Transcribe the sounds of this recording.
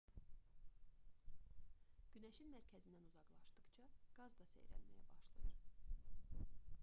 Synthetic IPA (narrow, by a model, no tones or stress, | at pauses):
ɟ̥ynæʃinmæɾcʰæzind̪ænuzɑɡlˠɑʃd̪ɯqt͡ʃʰɑɡ̥ɑzd̪ɑsḛjɾæ̰nmæ̰jæ̰bɑʃlˠɯ̰jɯɾ